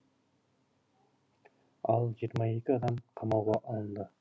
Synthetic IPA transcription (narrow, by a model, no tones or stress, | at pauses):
ɑlˠʒiɾmɑjekʲɪɑd̪ɑmqʰɑmɑwʁɑʔɑnd̪ɨ